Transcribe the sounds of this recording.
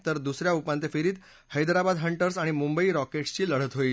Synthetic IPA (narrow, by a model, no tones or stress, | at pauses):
t̪əɾd̪usɾjaupãnt̪efiɾiːt̪ | həjd̪ɾabad̪ɦəɳʈəɾsaɽ̃imũmbəiɾɔkeʈst͡ɕiːləɽ̤ət̪ɦoi